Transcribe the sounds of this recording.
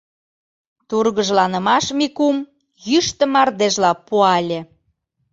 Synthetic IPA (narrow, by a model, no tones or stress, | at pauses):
t̪urɣəʒlɑnə̆mɑʃmikum | jyʃt̪ə̆mɑrd̪eʒlɑpuɑlʲĕ